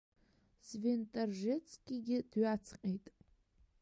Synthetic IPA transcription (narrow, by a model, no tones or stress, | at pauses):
sventʼarʒɪt͡sʰʼkʲʼiɡʲɪd̥ɥat͡sʰqʲʼejtʼ